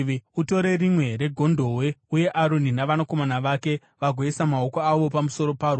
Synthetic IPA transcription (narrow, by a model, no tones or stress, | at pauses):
uto̞ɾe̞rimwe̞ɾe̞ɡʱo̞ndʱo̞we̞uje̞ʔaɾoninaʋanako̞manaʋake̞ | ʋaɡʱoesamao̞koaʋo̞pamuso̞ɾo̞paːrwo